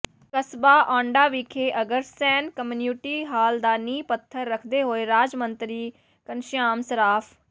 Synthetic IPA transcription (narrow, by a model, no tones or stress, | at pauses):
kəsbaːʔɔ̃ːɳɖaːʋiːkʰeːʔəɡəɾsɛːnkəmnjuːʈiːɦaːld̪aːniːpət̪ʰːəɾːəkʰd̪eːɦoːeːɾaːd͡ʒmənt̪ɾiː | kənʃjaːmsəɾaːpʰ